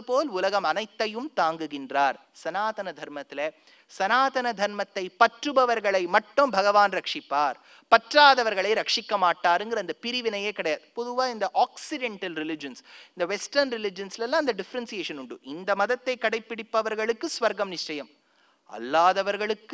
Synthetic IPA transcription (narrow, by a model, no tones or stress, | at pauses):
ɯpoːlʊlɐɣɐmɐnɐɪt̪ːɐjɯmt̪aːŋɡɯɣɪndraːɾ | sɐnaːt̪ɐnɐd̪ʱɐɾmɐt̪ːɪle | sɐnaːt̪ɐnɐd̪ʱɐɾmɐt̪ːɐɪpɐʈrɯbɐʋɐɾɣɐɭɐɪmɐʈːombʱɐɣɐʋaːnɾɐkʂɪpːaːɾ | pɐʈraːðɐʋɐɾɣɐɭɐɪɾɐkʂɪkːɐmaːʈːaːɾɯŋɡɐɾɯɐnd̪ɐpɪɾɪʋinɐjeːkɐɽɐjaːðɯpɔðɯʋaːind̪ɐʔaːksɪɖɛɳʈɐlɾɪlɪd͡ʒɐnsɪnd̪ɐʋɛsʈɐɾnɾɪlɪd͡ʒɐnslɛlːãːɐnd̪ɐɖɪfɐɾɐnsijeːʂɐnuɳɖɯɪnd̪ɐmɐðɐt̪ːɐɪkːɐɽɐɪpːɪɽipːɐʋɐɾɣɐɭɯkːɯsʋɐɾɡɐmnɪʂt͡ʃɐjɐm | ɐ̰lːaːðɐʋɐɾɣɐɭɯkː